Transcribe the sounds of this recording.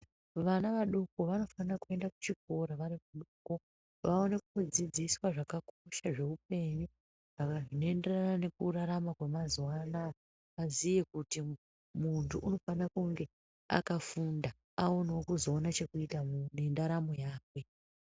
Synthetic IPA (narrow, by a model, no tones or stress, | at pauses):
ʋanaʋaɗukoʋano̞fanakue̞ndaku̥t͡ʃik̚o̞ɾaʋaɾimuɗuko | ʋao̞ne̞kuod͡zid͡ziswaʐakako̞ʃaʐe̞up̚e̞ɲu | ʐakaʐino̞e̞nderanane̞kuɾaɾamakwemazwaːna | ʋazije̞kuti | muntʰuʔːno̞fanakuŋɡe̞ | a̰kafunda | ao̞nwokuzo̞ːnat͡ʃe̞kuitane̞ndaɾamo̞jaːkwe̞